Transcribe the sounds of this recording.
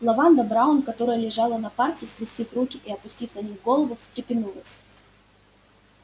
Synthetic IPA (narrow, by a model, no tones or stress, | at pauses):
lˠɐvand̪əbɾaʊnkɐt̪o̞ɾəjəlʲɪʐɑlˠənɐpartʲɪskɾʲɪsʲtʲifrukʲɪʔiɐpʊsʲtʲit̪ʲnɐnʲixɡo̞lˠəvʊfst̪ɾʲɪpʲɪnulˠəsʲ